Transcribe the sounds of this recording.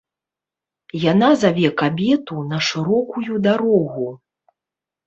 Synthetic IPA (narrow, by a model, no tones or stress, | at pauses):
janazavʲɛkabʲɛt̪unɐʂɨɾɔkujud̪aɾɔɣu